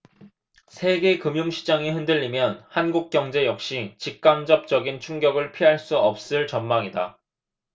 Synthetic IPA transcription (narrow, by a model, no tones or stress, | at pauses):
sʰe̞ɡe̞kɯmjumɕʰid͡ʑaŋiɦɯndɯʎːimjʌnhanɡuk̚k͈jʌŋd͡ʑe̞jʌk̚ɕ͈it͡ɕik̚k͈amd͡ʑʌp̚t͡ɕ͈ʌɡint͡ɕʰuŋɡjʌɡɯɭpʰiɦaɭs͈uʌp̚s͈ɯɭt͡ɕʌnmaŋida̰